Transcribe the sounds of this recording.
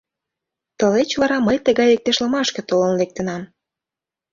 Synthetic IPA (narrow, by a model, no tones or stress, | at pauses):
t̪əlet͡ɕvɑɾɑməjt̪əɣɑjlek̚t̪eʃləmɑʃkĕt̪olənlek̚t̪ənɑm